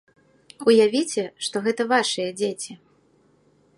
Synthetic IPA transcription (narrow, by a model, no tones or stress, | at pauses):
ujavʲit͡sʲɛʂt̪ɔɣɛt̪ɐvaʂɨjɐd͡zʲet͡sʲi